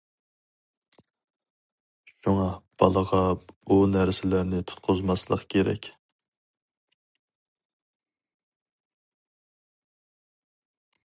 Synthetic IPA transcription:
ʃuŋɑb̥ɑlˠəʁɑunæɾsɪlæɾnɪt̪ʰu̥t̪̚qʰʊzmɑslˠəqkʲʰeɾɛ̰kʲ

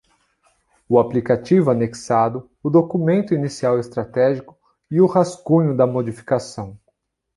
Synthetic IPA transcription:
ʊaplikat͡ʃivʊaneksad̪ʊ | ʊd̪okumẽnt̪ʊinisiawest̪ɾat̪ɛʒikʊ̥ | iʊhaskũɲʊd̪ɐmod͡ʒifi̥kasɐ̃w̃

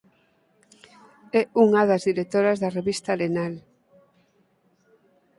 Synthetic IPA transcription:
ɛuŋaðazðiɾet̪oɾɐzðɐreβist̪ɐlenal

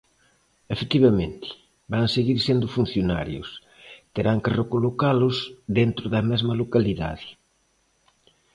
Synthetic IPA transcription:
efet̪iβɐmẽnt̪ɪ̥ | baŋseɣiɾsend̪ʊfun̟θjona̰ɾjʊ̰s | t̪eɾaŋkerekolokalʊsðent̪ɾʊðɐmɛzmɐlokaliða̰ðɪ̥

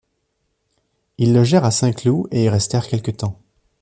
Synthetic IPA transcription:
ilːɔʒɛʁasɛ̃klueilʁɛst̪ɛʁkʲɛlkət̪ɑ̃

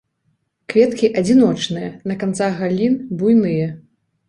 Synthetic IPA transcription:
kvʲɛt̪kʲiʔɐd͡zʲinɔt͡ʂnɨjɐnɐkant̪saɣalʲinbujnɨjɐ

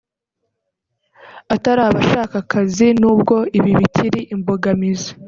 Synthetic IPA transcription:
ataɾaːβaʃaːkakʰazinuːbɡo̞iβiβitʰiɾiʔimboɡamizḁ

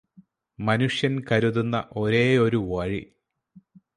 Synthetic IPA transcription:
mɐnuʂjɐnkɐɾuðunːɐ̰ʔo̞ɾe̞ːo̞ɾuʋɐɻi

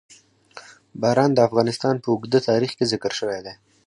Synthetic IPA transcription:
bɑɾɑnd̪əafɣɑnɪst̪ɑnpəʊɡd̪ət̪ɑɾixkezɪkəɾʃəwed̪e

